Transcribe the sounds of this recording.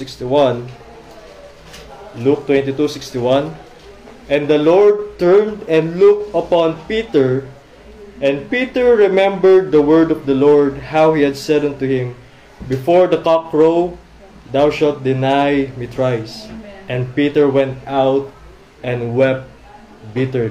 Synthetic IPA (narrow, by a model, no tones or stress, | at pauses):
ɪkst̪iwãn | luk̚t̪wɛ̃nt̪it̪usɪkst̪iwãn | ʔɛ̃nd̪ɐlɔɹd̪̚t̪ɛɹnd̪ɛ̃nd̪lʊk̚t̪ɐpɔ̃npit̪ɛɹ | ʔɛ̃n̚pit̪ɛɹɹɪmɛ̃mbəɹd̪̚ːɐwɜɹd̪ɔvd̪ɐlɔɹd̪̚hawhihad̪sɛd̪ãnt̪ʊhɪ̃m | bɪfɔɹd̪ɐkɑkɹo | d̪awʃalt̪̚d̪ɪnajmit̪ʰɹajsʔɛ̃nd̪̚pit̪ɛɹwɛ̃nt̪awt̪̚ | ʔɛ̃nwɛp̚t̪̚ | bit̪ɛɹi